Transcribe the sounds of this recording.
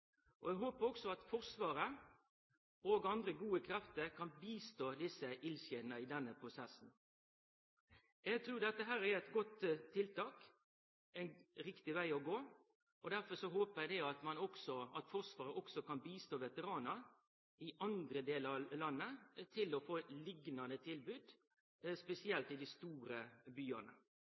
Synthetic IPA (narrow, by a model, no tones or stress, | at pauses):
ʔɔ̰ɛɡɦoːpəɾɔksɔɑt̪fɔʁsʋɑːɾə | oːɡɑnd̪ɾəɡuːəkʰɾɛft̪əɾkʰɑnbiːst̪oːd̪ɪsəʔɪlsɛːnəɪd̪ɛnːəpʰɾʊsɛsn̩ | ɛɡ̚t̪ʰɾʉːɾd̪ɛt̪ːəɦæːɾæɾɛt̪ɡɔt̪ʰːɪlt̪ɑːk | ɛnɾɪkt̪ɪʋæɪɔɡoː | ɔd̪æɾfɔsɔɦoːpəɛd̪ɛɑt̪mɑnɔksɔɑt̪fɔɾʂʋɑːɾəʔɔksɔkɑnbiːst̪oːʋɛt̪əɾɑːnəɾ | ɪʔɑnd̪ɾəd̪eːləɾɑlɑnːət̪ʰɪlɔfoːlɪɡnɑnət̪ʰɪlbʉːd̪ | spɛsɪɛlt̪ɪld̪ɪst̪uːɾəbyːɑnə̰